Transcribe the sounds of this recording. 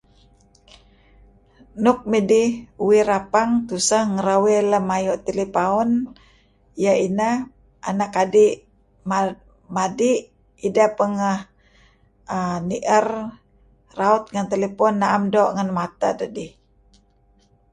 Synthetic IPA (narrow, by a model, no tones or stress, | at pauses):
nʊk̚midiuwiɾapaŋt̪usəhŋəɾaweləmajɔʔt̪elipaɔn | jaina | ʔa̰nakadiʔ | m | madiʔ | idapəŋəh | əniʔər | raut̪̚ŋant̪elepɔnːaamdɔʔŋanmat̪a̰dədih